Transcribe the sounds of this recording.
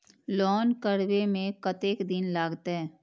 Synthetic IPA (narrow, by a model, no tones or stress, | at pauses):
lɔːnkəɽwemẽkɐt̪eːkd̪ɪnlaːɡt̪aɦɛ̃ː